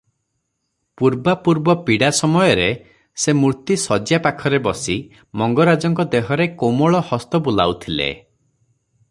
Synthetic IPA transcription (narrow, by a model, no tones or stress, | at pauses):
puɾbapuɾbɔpiɽasɔmɔjɔɾe | semuɾt̪isɔd͡ʒjapakʰɔɾebɔsi | mɔŋɡɔɾad͡ʒɔŋkɔd̪eɦɔɾekomɔɭɔhɔst̪ɔbula̰ut̪ʰilḛ